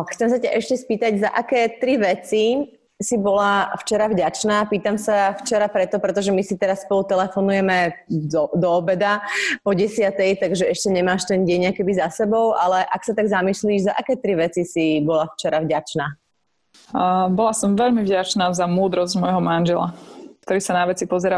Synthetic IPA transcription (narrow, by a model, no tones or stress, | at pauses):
xt͡sɛms̬acaʔɛʃcɛspiːt̪aɟza̰ʔakɛːt̪ɾiʋɛt͡si | sibɔlaft͡ʃɛɾavɟat͡ʃnaːpiːt̪amsaft͡ʃɛɾapɾɛt̪ɔpɾɛt̪ɔʒɛmisit̪ɛɾassːpɔlut̪ɛlɛfɔnujɛmɛd̪ɔd̪ɔːbɛd̪apɔɟɛsɪat̪ɛjt̪aɡʒɛɛʃcɛɲɛmaːʃt̪ɛnɟɛɲakɛbizasɛbɔʊʔalɛʔaksat̪aɡzamisliːʒzaʔakɛːt̪ɾiʋɛt͡sisibɔlaft͡ʃɛɾavɟat͡ʃnaː | bɔlasɔmʋɛʎmivɟat͡ʃnaːzamuːd̪ɾɔzɟmɔjɦɔmanʒɛla̰k̚t̪ɔɾiːsanaʋɛt͡sipɔzɛɾa